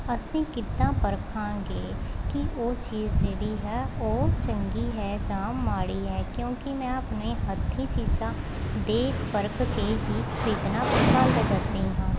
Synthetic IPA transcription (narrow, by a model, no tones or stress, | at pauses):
əsĩːkɪt̪ːãːpəɾkʰãːɡeːkiʔoːt͡ʃiːzd͡ʒeːɽiɦɛːoːt͡ʃə̃ŋɡiɦɛːd͡ʒãːmmaːɽiɦɛːkjõːkimɛ̃ːəpneɦət̪ʰːit͡ʃiːd͡ʒãː | d̪eːkpəɾkkeɦiːkʰɾiːt̪nãpəsaːld̪kəɾt̪iɦãː